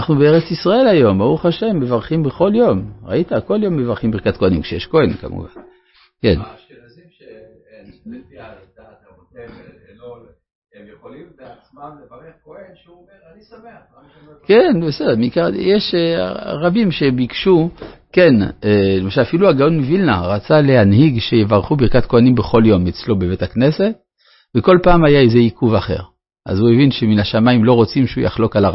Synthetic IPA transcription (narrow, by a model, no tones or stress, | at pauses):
naχnubeeʁet͡sisʁae̞lajo̞mbauχaʃe̞mːevaʁχimbeχo̞ljo̞mʁa̰it̪ako̞ljo̞mːevaʁχimbikat̪koanimkʃejeʃko̞enka̰mṵva̰n | ke̞̰n | ejoli | se | kenbesedemikajeʃ | ʁabimʃe̞bikʃuke̞nelemaʃalafiluaɡaonmivilnaʁat͡sale̞ɦanhiɡʃe̞jevaʁχubiʁkat̪̚ko̞animbe̞χo̞ljo̞met͡slo̞beve̞takne̞se̞t̚ | veko̞lpaːmajaeze̞ikuvaχe̞̰ʁ | ʔa̰zue̞vinʃeminaʃamaimlo̞ʁo̞t͡simʃeujʔa̰χlo̞kalaʁ